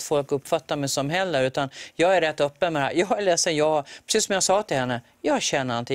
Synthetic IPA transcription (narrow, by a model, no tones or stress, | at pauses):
t̪fɔlkɵpːfat̪ːaɾmɛjsɔmɦɛlːəɾʉ̟ːt̪anjɑːɡæɾɛt̪ːœpːənmɛd̪ɛhæ̰ɾjɑːɛlɛːsənjɑːpʰɾɛsiːsɔmjaɡsɑːt̪ʰɪlhɛnːə | jɑːɕɛnːəɾant̪ʰɪ